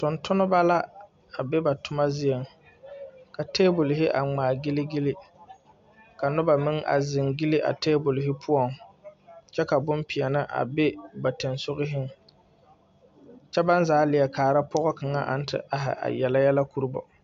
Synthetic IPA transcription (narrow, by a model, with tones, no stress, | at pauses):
tʊ˨ntʊ˦nʊ˦ba˦la˦ | a˨bɛ˦ba˨tʊ˦ma˦zɪ˦jɛ˨ŋ | ka˨teː˦bʊ˨lɪ˨ɦɪ˦ʔa̰˨ŋ͡maː˨ɡɪ˦lɪ˦ɡɪ˦lɪ˦ | ka˨nʊ˦ba˨mɪ˦ŋʔa̰˨zɪ˨ŋɡɪ˦lɪ˦ʔa̰˨teː˦bʊ˨lɪ˨ɦɪ˦pʰʊ˦ɔ˨ŋ | t͡ʃɛ˦ka˨bʊ˦mpi˨ɛ˨nɪ˦ʔa̰˨bɪ˦ba˨te˨nsʊ˦ɣɪ˦ɦɪ˦ŋ | t͡ʃɛ˦ba˦n˦zaː˦lɪ˨jɛ˨kaː˨ɾa˦pɔ˦ɣɔ˦ka˨ŋa˦ʔa̰˨n̩˦tʰɪ̰˨ʔa˦ɦɪ̰˨ʔa̰˨jɛ˨la˦jɛ˦la˦ku˦ɾu˦bɔ̰˨